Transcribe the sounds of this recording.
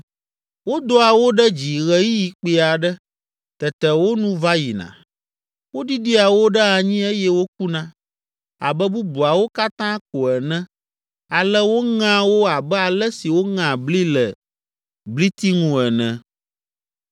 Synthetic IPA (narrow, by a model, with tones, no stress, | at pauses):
wo˦d̪o˦a˨wo˦ɖɛ˦d͡ʑi˨ɣɛ˨ji˦ji˨k͡pi˨a˨ɖɛ˦ | t̪ɛ˨t̪ɛ˨wo˦nũ˦va˦ji˨nã̰˨ | wo˦di˦ɖi˦a˨wo˦ɖɛ˦a˨ɲĩ˦e˦jɛ˦wo˦k̚u˦nã˦ | a̰˨bɛ˦bu˦bu˨a˨wo˦ka˦t̪ã˦ko˨ɛ˨nɛ̃˦ | a˨lɛ˦wo˦ŋã˦wo˦a˨bɛ˦a˨lɛ˦si˨wo˦ŋã˨bli˦lɛ̰˨ | bli˦t̪i˦ŋũ˦ɛ˨nɛ̃˨